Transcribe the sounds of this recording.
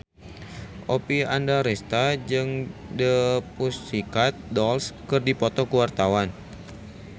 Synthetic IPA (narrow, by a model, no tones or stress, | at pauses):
ʔopiandaɾɛst̪ad͡ʒɨŋdəpusikat̪̚dɔlskɨrdipɔt̪ɔkuwart̪awan